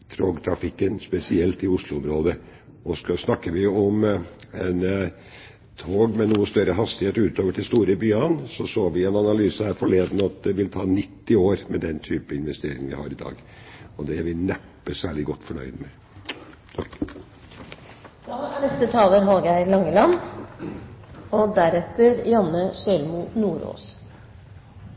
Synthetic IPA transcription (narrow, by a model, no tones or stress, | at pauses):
t̪ʰɾoːɡt̪ʰɾɑfɪkːənspɛsɪɛlt̪ɪʊslʊɔmɾoːd̪ə | ɔskɑsnɑkːəʋɪɔm | ɛn | t̪ʰoːɡmɛnuːəst̪œɾəɦɑst̪ɪheːt̪ʉːt̪oːʋəʈʰɪlst̪uːɾəbyːɑnsɔsoːʋɪɛnɑnɑlyːsəhæːɾfɔɭeːd̪nɑt̪̚d̪ɛʋɪlt̪ʰɑːnɪt̪ːɪoːɾmɛd̪ɛnt̪ʰyːpəɪnʋɛst̪eːɾɪ̰ŋəʋɪ̰hɑ̰ːɾɪd̪ɑ̰ːɡ | ɔd̪ɛæʋɪnɛpːəsæːɭɪɡɔt̪ːfɔɳœ̰ʏd̪əmɛ | t̪ʰɑ | d̪ɑːænɛst̪ət̪ʰɑːləɾɦoːɡæɪlɑŋːəlɑn | ɔd̪æɾɛt̪ːəɾjɑnːəsɛlmunuːɾo̰ːs